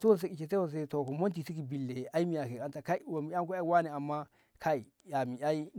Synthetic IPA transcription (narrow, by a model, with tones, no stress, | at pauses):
ti˦wo˦n˨s̬e˦ki˨t͡ʃe˨te˦wo˦ns̬e˦to˨ko˨mo˦nti˨si˦ki˨bi˨lːe˨a˦i˦mi˦ja˨ke˨a˦nta˨ka˦i˦wa˨mi˨˦a˦ŋ˦ku˦a˦i˦wa˦ne˨a˨mːa˦ | kʰa˦i˨ | ja˨mi˨ʔa˦i˦